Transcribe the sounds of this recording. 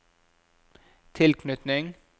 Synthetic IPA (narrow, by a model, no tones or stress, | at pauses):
t̪ʰɪlkʰnʏt̪nɪŋ